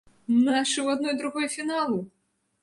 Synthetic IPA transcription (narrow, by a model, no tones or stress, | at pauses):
naʂɨwad̪̚nɔjd̪ɾuɣɔjufʲinalˠu